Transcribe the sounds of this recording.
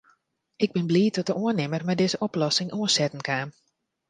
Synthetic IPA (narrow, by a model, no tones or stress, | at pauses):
ɪɡ̚bɪnbliːtʰɔtəʔoənɪmərmɛdɪːzəʔoplɔsɪŋʔoənsɛtən̩kʰaːm